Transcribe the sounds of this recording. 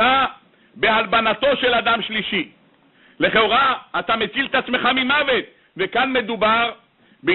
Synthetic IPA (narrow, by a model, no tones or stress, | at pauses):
a | be̞albanat̪o̞ʃe̞lad̪amʃliʃi | le̞χeoʁaːt̪amet͡silt̪at͡sme̞χamimave̞t̪̚ | vekanme̞d̪ubaʁ | be